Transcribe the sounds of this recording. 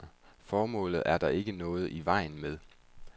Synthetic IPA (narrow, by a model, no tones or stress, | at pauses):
fɒːmɔ̰̽ːlð̩ˠʔæɐd̥ɑ̈ʔe̝ɡ̥ənɔ̽ːð̞̩ˠʔiʋɑ̈ɪ̰n̩meðˠ